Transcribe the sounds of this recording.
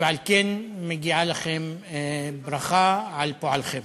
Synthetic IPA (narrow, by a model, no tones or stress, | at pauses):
baʕlkenmɪɡiʕalaxem | bɾˤɑxaʕalpoʕalxem